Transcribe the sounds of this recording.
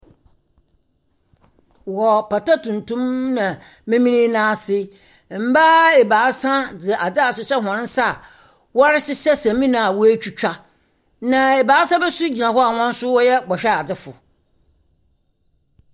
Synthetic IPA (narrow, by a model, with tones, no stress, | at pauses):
wɔ˨pa˨ta˦tʰũ˨ntʰũ˦mnã˨ | mẽ˦mĩ˦nĩ˦nãː˦sɪ˦˨ | m̩˨˦ba˦e˨baː˨˦sã˦dɪ˨ʔa˨dɪ˦a˨sʊ˨ɕɛ˦ɦɔ̃˨nɪ̃˦n˦sa˦˨ | wɔ˦ɾɪ˦sɪ˦sɛ˦sã˨mĩ˦nã˨a˨wɔ˦e˦t͡ɕᶣu˦t͡ɕᶣa˦ | nã˨ɛ˨baː˨˦sã˦bɛ˦su˦d͡ʑi˨nã˨hɔ˦a˨wɔ̃˦n̩˦sʊ˦wɔ˦jɛ˦bɔ˨ɕᶣɛ˦a˨dɪ˦fʊ̰˨